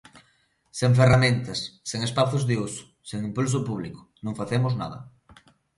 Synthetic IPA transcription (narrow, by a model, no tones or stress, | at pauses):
seŋf̬eramẽnt̪ɐsːeŋespaθʊzðɪusʊ̥ | seŋimpuls̬ʊpuβ̞likʊ̥nõŋfaθemʊzna̰ðɐ̰